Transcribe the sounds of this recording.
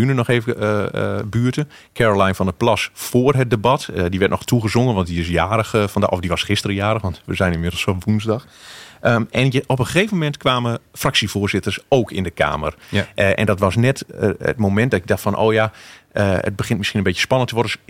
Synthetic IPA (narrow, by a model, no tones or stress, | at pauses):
ynənɔxeːvə | byːərtə | kʰɛɹolajnfɔndəplasfoːərɦət̚debatdiʋɛrtnɔxtuɣəzoŋənʋɑnt̚diɪs̬jaːɾəxfɔndaʔɔfdiʋɑsxɪstəɾəjaːɾəxʋɑntʋəzɛjnɪnmɪdl̩ˠsfɔnʋunzdɑx | əɛnɔpəxeːvəmmɛntkʰʋaːməfraksiv̥ʊːrzɪtərsoːkʰɪndəkʰa̰ːmə̰rʔɛ̰ndɔtʋɑsnɛtə̰tmomɛnt̚dɔtɪk̚daxtfɔnʔo̰ːjaəə̰t̚bəxɪntmɪsxinənmbetjə̥spɑnəntʰəʋɔrdə